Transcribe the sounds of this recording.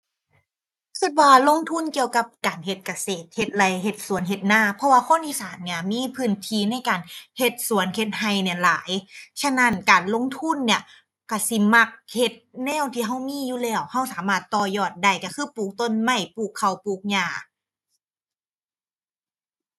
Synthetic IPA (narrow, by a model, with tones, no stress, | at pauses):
kʰi˧˩t̪̚waː˧lo˧˥˨ŋt̪ʰu˧˥˨nki˧əwka˧˦p̚kaː˨˩nhe˧t̪̚ka˧seː˨˩t̪̚he˧t̪̚la˧˦jɦe˧t̪̚su˨˦ənɦe˧t̪̚naː˧˥˨pʰɔ˧waː˧kʰo˧˥˨nʔiː˧˨saː˨˦nni˧˩ɐmiː˧˥˨pʰɯː˧˩˨nt̪ʰiː˧˦na˧˥˨jkaː˨˩nhe˧t̪̚su˨˦ənkʰe˧t̪̚ha˧˩jni˧˩˨la̰ː˨˦jt͡ɕʰa˧˥˨na˧˥˨nkaː˨˩nlo˧˥˨ŋt̪ʰu˧˥˨nːi˧˩ɐ | ka˧˩si˧ma˧˩k̚he˧˩t̪̚nɛː˧˥˩wt̪ʰiː˧ɦa˧˥˩wmiː˧˥˨juː˧lɛː˧˩wha˧˩˨wsaː˨˦maː˧˩t̪ːɔː˧˩jɔː˧˩t̪̚da˧˩jka˧˩kʰɯː˧˥˨puː˧˩k̚t̪o˧˥˨nma˧˩jpuː˧˩kʰːa˧˩wpuː˧˩k̚ɲaː˧˩